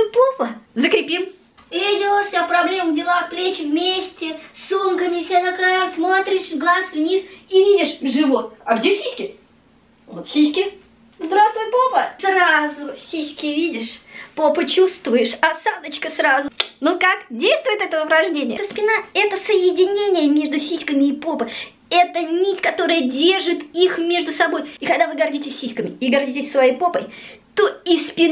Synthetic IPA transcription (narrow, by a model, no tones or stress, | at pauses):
popəzəkɾʲɪpʲim | vʲɪdʲoʂsʲapɾɐblʲemdʲɪlˠafplʲet͡ɕɪvmʲesʲtʲɪsumkəmʲɪfsʲezɐkajɪsmo̞t̪ɾʲɪʂɡlˠasvnʲisivʲidʲɪʂʐɨvot̪̚ɐɡdʲesʲisʲkʲɪ | vot̪sʲisʲkʲɪ | zd̪ɾast̪vʊjt̪̚popəsrazʊsʲisʲkʲɪvʲidʲɪʂpopɨt͡ɕust̪vʊjɪʂɐsad̪ət͡ɕkəsrazʊnukakdʲejst̪vʊjɪt̪ɛt̪əəʊpɾɐʐnʲenʲɪjəspʲɪnaɛt̪əsəjɪdʲɪnʲenʲɪjəmʲe̞ʐd̪ʊsʲisʲkəmʲɪːpo̞pɨ | ɛt̪ənʲitʲkɐt̪o̞ɾɨjədʲe̞rʐɨt̪ixmʲe̞ʐd̪ʊsɐbo̞jɪkɐɡd̪avɨɡɐrdʲitʲɪsʲːisʲkəmʲɪɪɡɐrdʲitʲɪsʲsvɐjejpopəjt̪oispʲɪn